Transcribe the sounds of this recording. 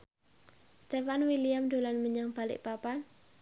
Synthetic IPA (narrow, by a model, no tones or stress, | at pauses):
st̪efanwilijamd̪olanməɲaŋb̥alɪ̰ʔpapan